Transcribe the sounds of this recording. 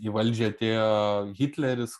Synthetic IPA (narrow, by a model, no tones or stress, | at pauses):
iʋɐlʲd͡ʒʲɛɐt̪ʲeːjoɣʲit̪ʲlʲɛɾʲɪs